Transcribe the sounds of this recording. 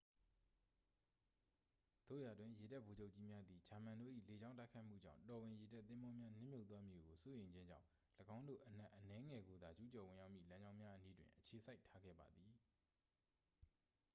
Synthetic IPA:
d̪̥o̰˦˨ja˨dwɪ̃˦˨je˨da˦ʔbo˨d͡ʑo˦ʊʔt͡ɕi˦mja˦d̪i˨d͡ʑa˨mã˨ndo̰˦˨ʔḭ˦˨le˨d͡ʑã˦ʊ̃nta˦ɪkʰa˦ɪʔm̥ṵ˦˨d͡ʑã̰˦˨tɔ˨wɪ̃˨je˨da˦ʔt̪ːɪ̃˦mbɔ˦mja˦nɪ̰̃˦˨mjo˦ʊt̪wa˦mji˨ɡo˨so˦jẽ˨ɪ̃ɲd͡ʑɪ̃˦ɲd͡ʑã̰˦˨ʊ̃ | ləɡã˦ʊ̃ndo̰˦˨ʔən̥ã˦˨ʔənɛ˦ŋɛ˨ɡo˨d̪a˨d͡ʑu˦t͡ɕɔ˨wɪ̃˨ja˦ʊʔmjḭ˦˨lã˦ɲd͡ʑã˦ʊ̃mja˦ʔəni˦dwɪ̰̃˨ʔət͡ɕʰe˨sʰa˦ɪtʰːa˦ɡɛ̰˦˨ba˨d̪i˨

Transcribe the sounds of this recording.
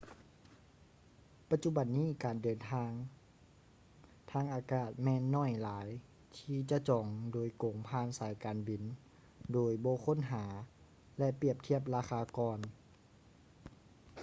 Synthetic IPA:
pa˧t̪̚t͡ɕu˧˥ba˨˩nːiː˧˥˩kaː˨˩ndɤː˨˩nt̪ʰaː˧ŋ | t̪ʰaː˧˥˨ŋʔaː˨˩kaː˧˩t̪̚mɛː˧˨nːɔː˧˥˩jlaː˩˦j | t̪ʰiː˧t͡ɕa˧t͡ɕɔː˨˩ŋdoː˨˩jko˨˩ŋpʰaː˧˨nsaː˨˦jkaː˨nbi˨˩n | doː˨˩jbɔː˧˦kʰo˧˥˨nɦaː˩˦ | lɛ˧ʔpi˧˩əp̚t̪ʰi˧˥˩əp̚laː˧xaː˧kɔː˧˩n

